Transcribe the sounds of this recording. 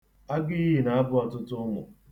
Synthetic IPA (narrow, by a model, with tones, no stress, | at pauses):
a˦ɡɪ˦i˦ɦi˨na˨a˦bʊ˦ɔ˨tʊ˦tʊ˦ŋʷʊ̰˨